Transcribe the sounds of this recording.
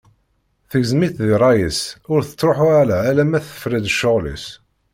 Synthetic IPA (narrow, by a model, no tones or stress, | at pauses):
θəɡzmiθðiɾˤɑjəsʊɾθə̥t͡sːɾˤoħʊæɾaːlæmæθə̥fɾid̪ʃːoʁlḭs